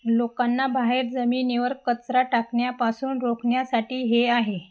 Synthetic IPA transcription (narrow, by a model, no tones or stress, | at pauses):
lokanːabaɦeɾd͡zəmiːneʋəɾkːət͡sɾaʈakɳjapasuːnɾokɳjasaʈiːɦeaɦe